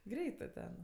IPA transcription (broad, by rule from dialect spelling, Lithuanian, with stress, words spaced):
ˈɡrʲɛɪtɜ tʲɛn